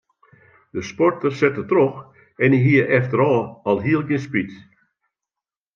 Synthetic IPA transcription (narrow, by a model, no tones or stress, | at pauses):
d̥əspɔrtərsɛtətrox | ɛniɦiəʔɛftəɾɔːɔlˠɦiəlˠɡjɪspit